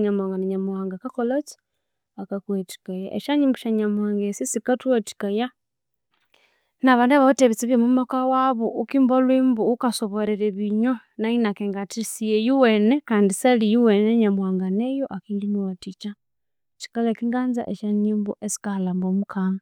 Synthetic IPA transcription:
ɲamwaːŋɡanaɲamwaːŋɡakakolot͡si̥ | akakweti̥kajaʔḛʃaɲimbuʃaɲamwaːŋɡesisikatweti̥kaja | naβaːndaβaβuteβit͡siβjemumakawaβoʔukiːmbolwiːmbuukasoβoɾeɾeβiɲo | nainakeŋɡatisijejuwenekaːndisalijuweneɲamwaːŋɡanejoʔakiːndiniwatit͡ʃa | t͡ʃi̥kalakiŋɡaːnza̰ʔeʃaɲiːmbuʔesi̥kalaːmbomukʰaŋa

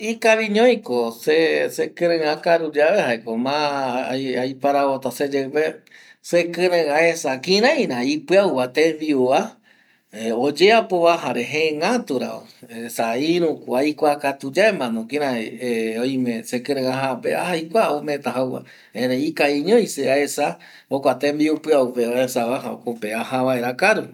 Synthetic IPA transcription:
ikaβiɲõj̃kosesekɨ̃ɾɨ̃ãkaɾud͡ʒaβehaekomã | ajpaɾaβot̪ased͡ʒepe | sekɨ̃ɾẽãesakĩɾãj̃ɾãipɨawwat̪ẽβiua | od͡ʒeapoβaɦaɾeɦẽŋãt̪uɾa̰o̰esaiɾũkʷajkʷakat̪ud͡ʒaemãnõkĩɾãojmẽsekɨ̃ɾẽŋaɦapea̰hajkʷaomẽt̪aɦawwa̰ | ẽɾeikaiɲõjseaesa | okʷat̪embiupɨaupeaesaβaɦao̰kopeahaβaeɾakaɾu

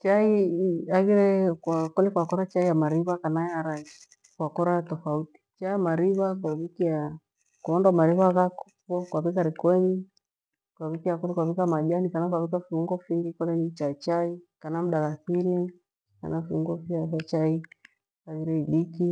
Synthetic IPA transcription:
t͡ʃaiaɣiɾɛkwakɔlɛkwakɔɾat͡ʃaijamaɾiβakanaɛaɾḁ | kwakɔɾatɔfauti̥t͡ʃaamaɾiβakwaβikia | kɔndwamaɾiβaɣak | pɔkwaβikaɾikwɛɲi | kwaβikiakɔlɛkwaβikamaʄanikanakwaβikafiuŋɡɔfiŋɡikɔlɛnit͡ʃat͡ʃaikanam̩ɗaɣaθini | ka̰nafiuŋɡɔfiafat͡ʃai | aɣiɾɛiliki

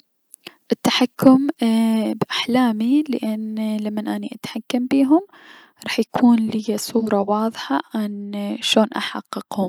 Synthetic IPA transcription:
ʔɪt̪ːaħakːʊm | bʔaħlaːmilɪʔɪnlamːanʔaniʔat̪ħakːambiːɦʊm | ɾˤɑːħjakʰuːnlɪjasˤuːɾˤɑwɑːðˤħɑʕanʃoːnʔa̰ħɑ̰qːɨqhʊm

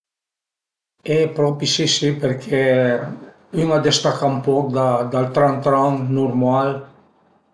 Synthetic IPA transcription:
ɛpɾɔpisisipeɾkʰe | yŋad̪est̪akaumpɔkd̪ad̪alt̪ɾãnt̪ɾaŋnuɾmal

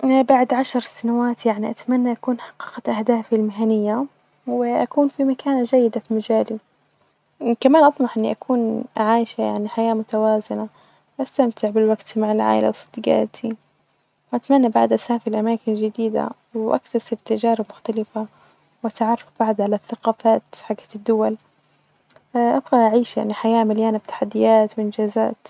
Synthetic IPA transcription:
baʕd̪ʕaʃɾˤsanawaːt̪jaʕniʔat̪manːaʔakuːnħɑ̥qːɑqaʔahd̪aːfilmɪɦanɪjːa | wɪʔakuːnfimakaːnad͡ʒajːɪd̪afimad͡ʒaːli | kamaːnʔɑt̪ˤmɑħʔɪnːiʔakʰuːnʕaːjʃaja̰ʕniħajaːmʊt̪awaːzɪna | wʔast̪amt̪ɪʕbɪlwaɡt̪maʕɪlʕa̰ːʔɪ̰lʔa̰wsˤɨd̪ɪɡa̰ːt̪ʰi | wʔat̪manːabaʕd̪ʔasaːfɪɾlʔamaːkɪnd͡ʒɪd̪iːd̪a̰ | wʔa̰kt̪asɪbt̪ad͡ʒaːɾˤɑbmʊxt̪alɪfa | wʔat̪ʕɑrˤːɑfb̥aʕd̪ʕalaθːaqɑːfaːt̪ħaɡḁd̪ːʊwal | ʔabɣaʔaʕiːʃja̰ʕniħajaːmɪljaːnab̚t̪ḁħad̪ːɪjaːt̪wʔɪnd͡ʒaːza̰ːt̪

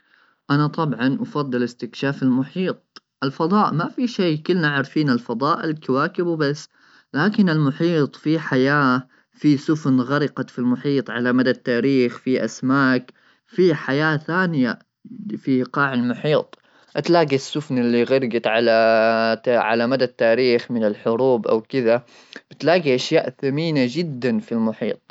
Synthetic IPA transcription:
ʔanat̪ˤɑbʕɑnʔɑfɑd̪ˤːɨlɪst̪ɪkʃaːfɪlmʊħiːt̪̚ˤ | ʔɪlfɑðˤɑːʔmafiʃejkɪlːnaʕɾˤfiːnalfɑðˤɑːʔɪlkawaːkɪbbasː | laːkɪnɪlmʊħiːt̪ˤfiħajaː | fisʊfnɣaɾɪqɑfilmʊħiːt̪ˤʕalamad̪at̪ːaːɾiːxfiʔasmaːk | fiħajaːθaːnɪja | fiʔqɑːʕɪlmʊħiːt̪ˤ | ʔat̪laːɡisːʊfnɪlːiɣɑɾɡat̪ʕala | ʕa̰lamad̪at̪ːaːɾiːxmɪnɪlħʊɾuːbʔa̰wkɪða | b̥ɪt̪laːɡiʔaʃjaːʔθamiːnad͡ʒɪd̪ːanfilmʊħḭːt̪̚ˤ

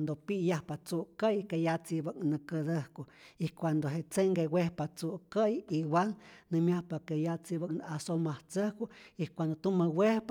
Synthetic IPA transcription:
nd̪opijahpat͡suʔkəjkejat͡sibaknəkəd̪əhkoikʷand̪oɦeʔt͡seŋkewehpat͡suʔkəjiwalnɨmʲjahpakejat͡sibaknasomaht͡səhkuikʷand̪ot̪uməwehp

